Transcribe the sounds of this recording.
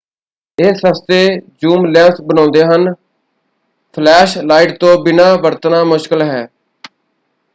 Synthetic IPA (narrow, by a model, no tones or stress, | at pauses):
ɪːsəst̪eːd͡ʒuːmlɛ̃ːsbənɔ̃ːnd̪eːɦən | pʰlɛːʃlaːiʈt̪õːbɪnãːʋəɾt̪naːmʊʃkəlɦɛː